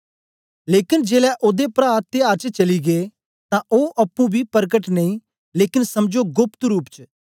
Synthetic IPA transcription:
leːkɪnd͡ʒeːlɛʔoːd̪epɾaːt̪ːɪjaːɾt͡ʃət͡ʃɐliɡe | t̪ãʔoːʔɐpːũbʱipɐɾkəʈnɐ̃ĩ | leːkɪnsɐmd͡ʒoɡʊpt̪ɾuːpt͡ʃ

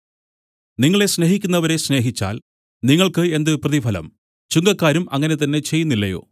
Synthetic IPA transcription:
niŋːɐɭe̞sne̞ɦikʲːunːɐʋɐɾe̞sne̞ːɦit͡ɕːa̰ːl | niŋːɐɭkɨe̞nd̪ɨprɐðipɐlɐ̰m | t͡ɕuŋɡɐkːaːɾumɐŋːɐne̞t̪̬ɐnːe̞t͡ɕe̞jːunːilːɐjo̞̰ː

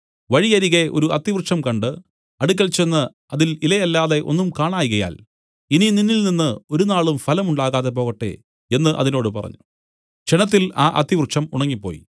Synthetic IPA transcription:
ʋɐɻijɐɾiɣeʔo̞̰ɾuʔɐt̪ːiʋrt͡ɕːɐmkɐɳɖɨ | ɐɽuk̬ʲːɐɭt͡ɕe̞nːɨ | ɐðililɐjɐlːaːðe̞ʔo̞nːumkaːɳaːjɣɐja̰ːl | inininːilninːɨo̞ɾunaːɭumfɐlɐmuɳɖaːɣaːðe̞p̬o̞ːɣɐʈːḛ | enːɨʔɐ̰ðino̞ːɽɨpɐrɐ̰ɲːu̥ | d͡ʑenɐt̪̬ːilaːʔɐ̰t̪ːiʋrʂɐmuɳɐŋːipːo̞ːjḭ

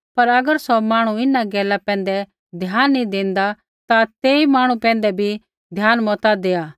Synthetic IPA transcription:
pɐɾɐɡəɾsɔmãːɽ̃uɪnaɡɛːlapɛ̃ːn̆d̪ɛ | d̪ʱjaːnːĩd̪ẽːnd̪a | t̪at̪eːimaːɽ̃ũpɛ̃ːnd̪ɛbʱi | d̪ʱjaːnmɔːt̪ad̪eːaː

